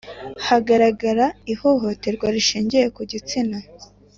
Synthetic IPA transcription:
haɡaɾaɡaɾaiho̞ɦo̞te̞ɾɡwaɾiʃiːɲɟeje̞kuɟit͡sina

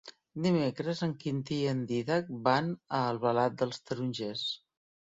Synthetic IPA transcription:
d̪imekɾəzəŋkint̪iənd̪iðak̚banəːlˠβəlat̪̚d̪əlˠst̪əɾunʲʒes

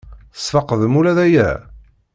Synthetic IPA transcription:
θə̥sˤfɑqəðmuɾæðæjæ̰

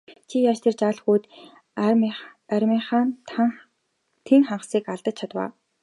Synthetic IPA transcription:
t͡ɕʰijat͡ɕt̪ʰert͡ɕaːɮxuːt̪ | æɾʲmiːɴχaːnʰ | t̪ʰeŋχaɴɢə̆siːkaɮt̪ə̆t͡ɕ̚t͡ɕʰat̪wa̰ː

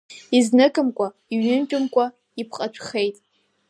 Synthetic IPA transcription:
iznɨkʼɨmkʷʼa | iɥnɨnt͡ʃʼʊmkʷʼa | ipʰqʼat͡ʃʷʰχe̞jtʼ

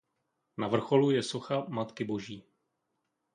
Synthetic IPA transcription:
navr̩xo̞lujɛso̞xamat̪kɪbo̞ʒiː

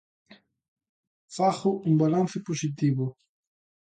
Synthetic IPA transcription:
faχoʔumbalanθɪposit̪iβo

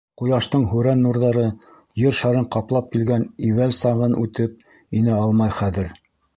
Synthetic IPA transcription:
qujɑʃt̪ɤɴɦʉɾænːuɾðɑɾɤ | jɘɾʃɑɾɤɴqɑplˠɑp̚kilɡæniwælsɑʁɤnʉt̪ɘp̚ | inɘɑlˠmɑjχæðɘɾ

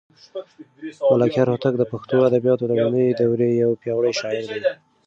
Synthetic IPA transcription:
malɑkjɑɾhʊt̪ak̚d̪əpaxt̪oad̪abijɑt̪od̪əmanəjed̪awɾejawpjɑwɽəjʃɑɪɾd̪a

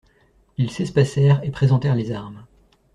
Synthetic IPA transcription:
ilsɛspasɛʁepχezɑ̃t̪ɛʁlezaʁm

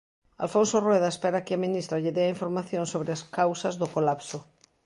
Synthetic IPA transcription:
a̰lfonsorweð̞aespeɾakeamĩnist̪ɾaʎeðeaiɱfoɾmaθjõnsoβɾeaskawsazðokolapso

